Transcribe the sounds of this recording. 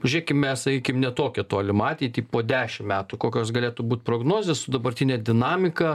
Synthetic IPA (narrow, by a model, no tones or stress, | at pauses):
ʒʲʊɾʲeːkʲɪmmʲɛssɐkʲiːkʲɪmnʲɛt̪oːkʲɛt̪oːlʲɪmɑːt̪ʲɛt̪ʲiːpoːd̪ʲæːʃʲɪmmʲæːt̪ukoːkʲoːsɡɐlʲeːt̪ubuːt̪̚ʲpɾoːɡnoːzʲessʊd̪ɐbɐrʲt̪ʲɪnʲɛd̪ʲɪnɑːmʲɪkɐ